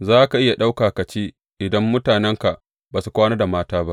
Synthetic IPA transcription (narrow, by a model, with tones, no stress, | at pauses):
zaː˦ka˨ʔɪ˦ja˨ɗa˦wkaː˨ka˨t͡ʃeː˦ | ʔɪ˨dɐ˦mːʊ˦taː˨nɛ˦ŋka˨ʔ | baː˨su˨kʷaː˦naː˦da˨maː˦taː˦ba˦ʔ